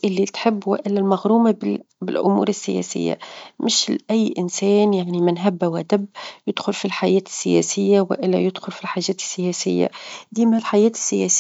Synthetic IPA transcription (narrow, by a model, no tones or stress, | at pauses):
ʔɪlːit̪ħɪbːwɪʔɪlːælmaɣɾuːmabɪ | bɪ̰lʔʊ̰mṵːɾɪsːɪjɛ̰ːsɪ̰jːa̰mɪʃlʔæjːʔɪnsɛːnjaʕnimɪnɦabːawæd̪abːjɪd̪̥xʊlfilħajɛːt̪ɪ̥sːɪjɛ̰sɪjːawɪ̰ʔɪlːajɪd̪xʊlfilħaːʒɛːt̪ɪ̥sːɪjɛːsɪ̰jːa̰d̪iːmalħajɛːt̪ɪ̥sːɪjɛːs